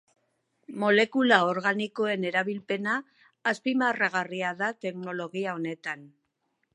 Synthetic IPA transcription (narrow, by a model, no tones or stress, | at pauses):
mo̞le̞kulao̞ɾɣaniko̞e̞ne̞ɾaβilpe̞naː | spimaraɣariaðat̪e̞kno̞lo̞ɣiao̞ne̞t̪an